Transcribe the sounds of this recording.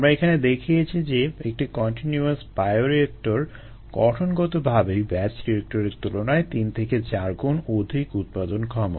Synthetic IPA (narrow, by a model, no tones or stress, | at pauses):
amɾaekʰaned̪ekʰijet͡ɕʰid͡ʑeek̚ʈikɔnʈinjuaspajoɾiek̚ʈoɾ | ɡ̥ɔʈʰonɡɔt̪obʱabejbɛt͡ɕɾiek̚ʈoɾeɾt̪ulonaet̪int̪ʰeket͡ɕaɾɡonod̪ʱikut̪̚pad̪onkʰɔmo̰